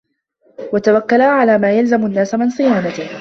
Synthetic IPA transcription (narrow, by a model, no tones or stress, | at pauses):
wat̪awakːalaʕalaːmaːjalzamʊnːaːsamɪnsˤɨjaːnat̪ɪ